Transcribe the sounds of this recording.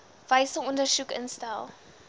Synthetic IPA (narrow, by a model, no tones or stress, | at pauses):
v̥ɐjsəŋɔndərsukə̰nstælˠ